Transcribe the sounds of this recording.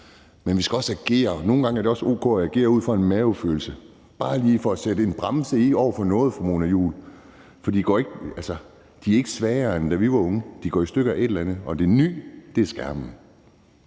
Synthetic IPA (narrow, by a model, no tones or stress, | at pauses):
menʋisɡ̥æɒ̽sæɡ̥e̝̰ːɐno̝ːn̩ɡ̥ɑ̈ŋəæɐɾ̥e̝ɒ̽so̝̰ːkʰɔ̰æɡ̥e̝̰ːɐuð̞̰ˠfɒ̽e̝nmæʊfø̰ːl̩sə | b̥ɑ̈ːliːfɒ̽æsed̥əe̝nb̥ʁɑmsəiɒʊ̰ɐfɒ̽nɔ̽ːð̞̩ˠfɑmo̝ːnæjṵːl | fɒ̽d̥ḭːdi̥ɡ̥ɒ̰ːe̝ɡ̥əælsɐ | d̥iæɐe̝ɡ̥ə̥sʋɛːɐend̥æʋiʋɑ̈ɔ̽ŋəd̥iɡ̥ɒ̰ːisd̥øɡ̥əæe̝d̥lænð̩ˠɒ̽d̥e̝ny̰ːd̥e̝æɐsɡ̥æɐb̥ənə